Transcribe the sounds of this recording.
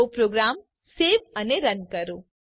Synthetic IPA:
opɾoːɡɾaːm | seːʋəneɾənkəɾoː

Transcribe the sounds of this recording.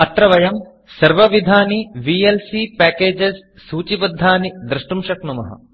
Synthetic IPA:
ɐt̪ɾɐʋɐjɐm | sɐɾʋɐʋid̪ʱaːniʋielsipæːkeːd͡ʒesː | uːt͡ʃibɐd̪ʱːaːnid̪ɾɐʂʈumʂɐknumɐ̰ɦɐ̰

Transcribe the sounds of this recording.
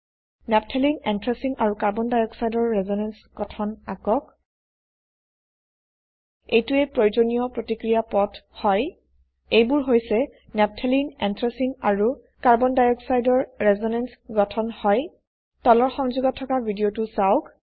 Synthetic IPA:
nɛp̚tʰɛlinɛntʰɹesiŋaɹukaɹbɔndajɔksajdɔɹːɛzɔnɛnsɡ̥ɔtʰɔnakɔk | ejtuɛpɹojozonijɔpɹotikɹijapɔtʰhɔj | ejbuɹɦojsɛ | nɛp̚tʰelinɛntɹesiŋaɹu | kaɹbɔndajɔksajdɔɹːɛzɔnɛnsɡɔtʰɔnhɔj | tɔlɔɹxɔŋzuɡɔtʰːɔkabʱidiotusawʊk

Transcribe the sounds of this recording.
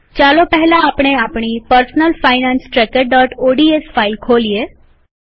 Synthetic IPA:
t͡ɕalopəɦlaːpɽ̃eapɽ̃iːpəɾsnəlfainãnsʈɾɛkəɾɖɔːʈoɖiesfailkʰolije

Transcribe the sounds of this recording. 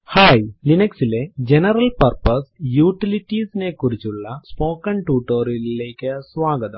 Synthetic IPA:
haːjlinɐksiled͡ʒenɐɾɐlpɐɾpɐsjuːʈiliʈisnekuɾit͡ʃːuɭːɐspoːkɐɳʈuːʈoːɾileːkɐsʋaːɡɐt̪ɐm

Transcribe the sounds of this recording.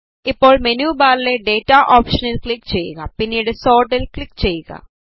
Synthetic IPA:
ipːo̞ːɭmenjuːbaːɾile̞ɖe̞ːtːaʔoːpʂɐnilkɭikːt͡ɕe̞jːṵɣɐ̰pinːijuɽeso̞ːrɖilkɭikːt͡ɕe̞jːuɣɐ̰

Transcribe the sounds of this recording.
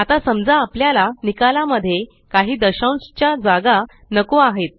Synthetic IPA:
at̪asəmd͡zaːpljalanikalaməd̪ʱːje | kaɦiːd̪əɕaw̃st͡ɕjad͡zaɡa | nəkoaɦet̪̚

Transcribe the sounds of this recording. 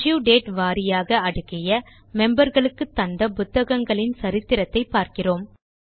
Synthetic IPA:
juːɖeːʈʋaːɾɪjaːɣɐɐɽɯkːɪjɐ | mɛmbɐɾɣɐɭɯkːɯt̪ːɐnd̪ɐpʊt̪ːɐɣɐŋɡɐɭɪnsɐɾɪt̪ːɪɾɐt̪ːɐɪpːaːɾkɪroːm

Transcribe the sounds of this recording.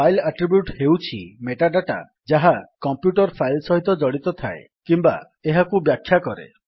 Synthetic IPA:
ajlaʈɾibjuʈhewt͡ʃʰimeʈaɖaʈa̰ | d͡ʒaɦakɔmpjuʈɔɾpʰajlsɔɦit̪ɔd͡ʒɔɽit̪ɔt̪ʰaḛ | kimba̰ | eɦakubjakʰːjakɔɾḛ

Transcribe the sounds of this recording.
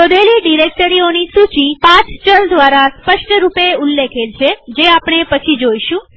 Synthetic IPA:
od̪eliɖiɾek̚ʈəɾionisut͡ʃipãt͡ʃʰt͡ʃəld̪ʋaɾaspəʃʈəɾupeulːekʰelt͡ʃʰed͡ʒeapɳ̃epət͡ʃʰid͡ʒoiʃũ

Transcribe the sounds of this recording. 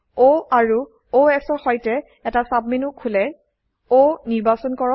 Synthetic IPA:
oaɹu | oɛksɔɹxɔjtɛ | ɛtasab̚minukʰːulɛ | oniɹbasɔnkɔɔ

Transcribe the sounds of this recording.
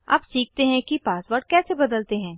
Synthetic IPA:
a̰ːpsiːk̚ʰt̪eɦɛ̃kipaːswaːɾɖkɛːsebɐd̪əlt̪eɦɛ̃ː

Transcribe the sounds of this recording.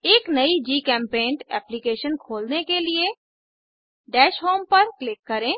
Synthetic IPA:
eːknɐid͡ʒiːkɛ̃ːmpẽːɳʈɛ̰ːplikeːʃənkʰoːlnekelie | ɖɛːʃɦoːmpɐɾklɪkːɐɾẽː

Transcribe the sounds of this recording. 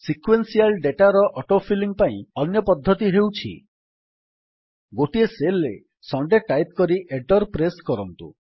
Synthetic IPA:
sikwensialɖeʈaɾɔʔɔʈopʰiliŋpaĩɔnjɔpɔd̪ʱːɔt̪iɦewt͡ʃʰḭ | ɡoʈieselːḛ | sɔɳɖeʈajp̚kɔɾiʔeʈɔɾpɾeskɔɾɔnt̪ṵ

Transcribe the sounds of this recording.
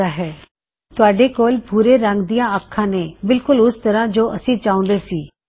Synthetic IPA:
aːɦɛː | t̪ʊaːɖeːkoːlpuːɾeːɾə̃ŋɡd̪ijãːəkʰːãːneːbɪlkʊlʊst̪əɾãːd͡ʒoːʔəsĩːt͡ʃaːʊ̃ːnd̪eːsiː

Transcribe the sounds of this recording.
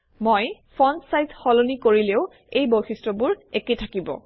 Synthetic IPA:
mojpʰɔnsajzxɔlonikoɹileʊ | ejboxistɹɔbʊɹeketʰakibɔ̰

